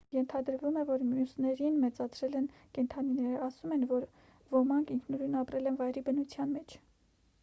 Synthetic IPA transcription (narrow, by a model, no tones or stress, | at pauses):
jɛnt̪ʰɑd̪əɾvumɛvɔɾmjusnɛɾinmɛt͡sɑt͡sʰɾɛlɛn | kɛnt̪ʰɑninɛɾəɑsumɛnvɔɾ | vɔmɑŋkiŋkʰnuɾunɑpɾɛlɛnvɑjɾibənut͡sʰjɑnmɛt͡ʃʰ